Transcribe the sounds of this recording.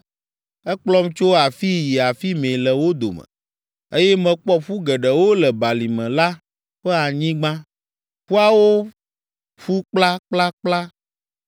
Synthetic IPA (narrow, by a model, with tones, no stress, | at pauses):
ɛ˦k͡plɔ˦mt͡ʃo˦a˨fi˦ji˨a˨fi˦mẽ˨lɛ˨wo˦d̪o̰˨mɛ̰̃˨ | e˦jɛ˦mɛ̃˨k͡pɔ˦ɸu˦ɡɛ˨ɖɛ˨wo˦lɛ˨ba˨li˨mɛ̃˨la˦ | ɸɛ˦a˨ɲĩ˦ɡ͡bã˦ | ɸu˦a˦wo˦ | ɸu˦k͡pla˦k͡pla˦k͡pla˦